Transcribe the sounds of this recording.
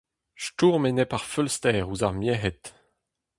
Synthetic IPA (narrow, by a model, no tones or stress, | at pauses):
ʃtuːʁmenɛpaʁfølst̪ɛːʁuzaʁmjɛɦɛt̪